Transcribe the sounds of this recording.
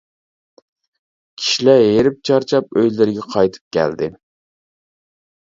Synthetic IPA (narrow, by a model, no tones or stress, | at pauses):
kʲʰi̥ʃilæjeɾɪp̚t͡ʃʰɑɾt͡ʃʰɑpøjlɪɾɡʲɛqʰɑjt̪ʰɨ̥p̚kʲʰæ̰ld̪ɪ